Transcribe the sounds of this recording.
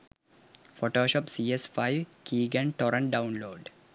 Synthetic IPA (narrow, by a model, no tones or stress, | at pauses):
fɔʈoːʃɔpsiːesfaɪʋkiːɡɐ̃ɳʈɔɾə̃ɳ̚ɖaʊ̃nloːɖ